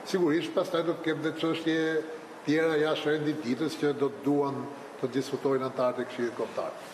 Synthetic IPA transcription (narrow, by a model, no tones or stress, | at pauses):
siɡuɾiʃt̪̚past̪ajd̪ɔt̪ə̥kɛmðɛt͡ʃəʃt̪jɛ | t̪jɛɾajaʃɛnd̪id̪it̪əscəd̪ɔt̪əd̪uan | t̪əd̪iskut̪ɔjnant̪aɾt̪ɛkʃilˠit̪kɔmt̪a̰ɾ